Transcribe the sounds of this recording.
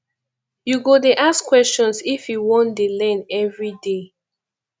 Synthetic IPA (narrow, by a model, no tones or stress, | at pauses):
juɡodeʔaskwɛst͡ʃɔ̃nsifjuwɔ̃ndelɛ̃nɛvɹide